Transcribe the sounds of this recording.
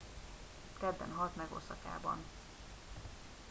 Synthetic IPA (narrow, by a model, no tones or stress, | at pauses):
kɛd̪ːɛ̰nɦɒt̪mɛɡo̰sɒka̰ːbɒn